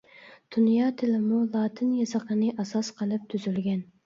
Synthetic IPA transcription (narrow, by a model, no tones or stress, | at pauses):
d̪̥unjɑt̪ʰɪlɪmulˠɑːt̪ʰɪnjɑsɑqənɨʔɑsɑsqʰəlˠɨp̚t̪ʰyzylɡʲɛn